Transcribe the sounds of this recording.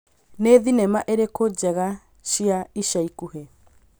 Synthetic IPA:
neðinɛmaʔeɾekod͡ʑɛɣa | ɕiaiɕaikuhe

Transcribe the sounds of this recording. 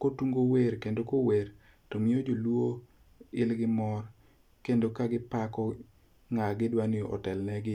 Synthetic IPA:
kotuŋɡoweɾkendokoweɾ | tomɪod͡ʒolwo | ɪlɡɪmɔr | kendokaɡɪpakɔ | ŋaɡɪdwanjoʔɔ̰tɛlnɛɡɪ

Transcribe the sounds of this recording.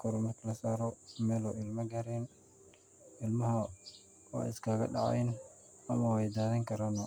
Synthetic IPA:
kʰɔɾɔmɐrkʰlɐsaːɾɔmɛːlɔʔɪlmɐɡɐɾɛn | ɪlmɐɦɐ | wa̰ːɪskʰaːɣɐ̰ɗɑ̰ʕa̰jn | ɐmɐwɛjd̪aːðɐŋkʰɐɾanɔ

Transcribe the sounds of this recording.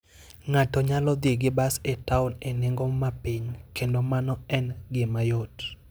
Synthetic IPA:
ŋatɔɲalɔd̪eɡɪbasetaʊnenɪŋɡɔmapiɲkendomanɔɛnɡɪmajot

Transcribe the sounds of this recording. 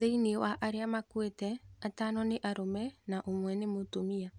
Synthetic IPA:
einewaʔaɾeamakwetɛatanɔneʔaɾomɛnaʔomwɛnemotomia

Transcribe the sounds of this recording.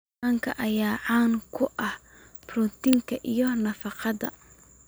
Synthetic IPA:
aːŋkʰɐ̰ʔɐjaːʕaːŋkʰʊʔɐh | brut̪ɪŋkʰɐʔijɞnɐfɑqɑðɐ̰

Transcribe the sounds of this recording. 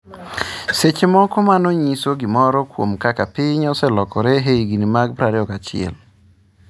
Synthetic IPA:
set͡ʃemɔkɔmanɔɲisoɡɪmɔɾɔkwo̰mkakapɪɲɔsɛlɔkɔɾɛɦeiɡinimaɡ̚pɾaɾɛɔkat͡ʃɪ̰ɛ̰l

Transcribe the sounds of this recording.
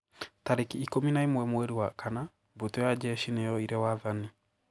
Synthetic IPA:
taɾekiːkominaimwɛmɛɾiwakʰana | botɔjad͡ʒɛʃinɛjɔiɾɛwaðani

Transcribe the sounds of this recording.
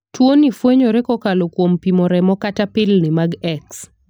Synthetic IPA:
twonifweɲoɾekɔkalokwompimɔɾɛmɔkatapɪlnimaɡɛks

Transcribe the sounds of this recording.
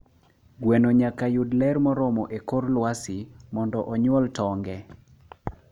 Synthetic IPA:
ɡwenoɲakajʊdlɛɾmɔɾɔmɔʔekorlwasɪmɔndɔʔɔɲwɔltɔŋɡɛ

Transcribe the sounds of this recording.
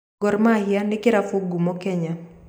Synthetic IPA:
ɡɔɾmahɪjanɪkɪɾafoɡumɔkɛɲa

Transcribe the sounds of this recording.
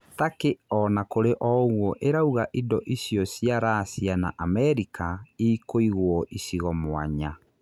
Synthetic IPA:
takeɔnakoɾeʔɔɣwɔʔeɾauɣaʔidɔʔisjɔsiaɾasiana̰ʔamɛɾikaiːkoiɣwɔʔisiɣɔmwa̰ɲa

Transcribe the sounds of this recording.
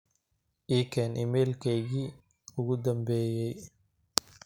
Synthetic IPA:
ʔiːkʰɛnʔɪmɛːlkʰɛjɣiː | ʊɣʊd̪ɐmbɛːjɛj

